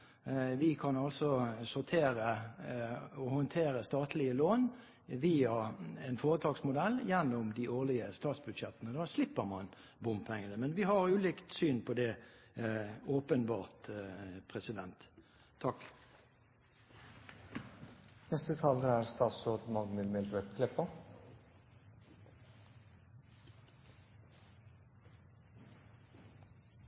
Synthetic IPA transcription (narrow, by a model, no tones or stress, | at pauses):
ʋɪkʰɑnɑlsɔsʊʁt̪ʰeːɾə | ɔhɔnt̪ʰeːʁəst̪ɑːt̪lɪəloːn | ʋiːɑɛnfoːʁət̪ʰɑːɡsmʊd̪ɛlːjɛnːʊmd̪ɪʔoːʁlɪəst̪ɑːt̪sbʉd̪ʃɛt̪ːənəd̪ɑslɪpːəʁmɑn | bʊmpʰɛŋːənəmɛnʋɪhɑʁʉːlɪːkt̪syːnpʰɔd̪ɛ | oːpənbɑːʁt̪pʰʁɛsɪd̪ɛnt̪ʰː | ɑk | nɛst̪ət̪ʰɑːləæɾst̪ɑːsoːd̪mɑɡmɪlmɛlʋœt̪kʰlɪpːə